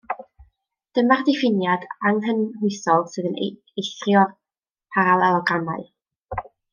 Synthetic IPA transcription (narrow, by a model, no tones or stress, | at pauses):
d̥əmardɪfɪnjadaŋɦənhʊɨsɔlˠsɨːðənḛ | ejɬrjɔr | pʰaɾalˠɛlˠɔɡamaɨ